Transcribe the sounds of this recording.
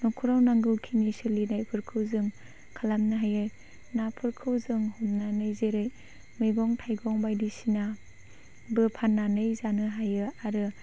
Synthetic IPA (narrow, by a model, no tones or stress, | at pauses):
nukʰuɾawnaŋɡɯwkʰinisɯlinajpʰɯɾkʰɯwzɯŋ | kʰalamnaɦajɯj | napʰɯɾkʰɯwzɯŋhɔmnanɯjzeɾɯj | mɯjɡɔŋtʰajɡɔŋbajdisina | bɯpʰanːanɯjzanɯɦajɯaɾɯ